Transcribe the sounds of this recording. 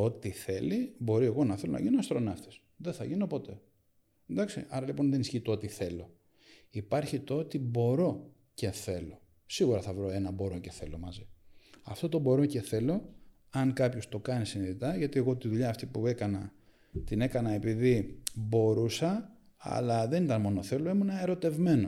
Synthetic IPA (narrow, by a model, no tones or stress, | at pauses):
o̞t̪iθe̞libo̞ɾie̞ɣo̞nɐθe̞lo̞nɐ̰ʝinoɐst̪ɾo̞nɐft̪e̥s | ðeθɐʝino̞po̞t̪e̞ | nd̪ɐksḭɐɾɐlipo̞nðenisçit̪oo̞t̪iθe̞lo | ipɐɾçit̪oot̪ibo̞ɾo̞ | ce̞θe̞lo̞̰ | siɣuɾɐθɐvɾo̞e̞nɐbo̞ɾo̞ce̞θe̞lo̞̰mɐziɐ̰ft̪o̞t̪o̞bo̞ɾo̞ce̞θe̞lo̞ | ɐŋkɐpço̞st̪o̞kɐnisiniðit̪ɐʝɐt̪ieɣo̞t̪iðuʎɐːft̪ipue̞kɐnɐ | t̪ine̞kɐnɐe̞piðibo̞ɾusɐ | ɐ̰lɐðe̞nit̪ɐnmo̞no̞θe̞loemunɐeɾo̞t̪e̞vme̞no̞